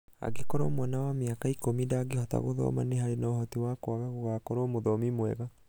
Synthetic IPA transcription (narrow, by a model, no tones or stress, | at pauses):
a̰ɡekɔɾɔ̰mwɛnawameakaikomidaːɡehɔta̰ɣoðɔ̰maneɦaɾenaoɦɔtewakwaɣaɣoɣaːkɔɾɔmoðɔmimwɛ̰ɣa